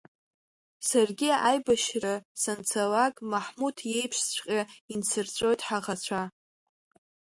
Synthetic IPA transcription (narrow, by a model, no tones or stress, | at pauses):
sarɡʲiajbaʃrɨsant͡sʰalakʼmaħmutʰje̞jpʰʂt͡ɕʷʼqʲʼaint͡sʰɨrt͡sʷʼo̞jtʼħaʁat͡ɕʷʰa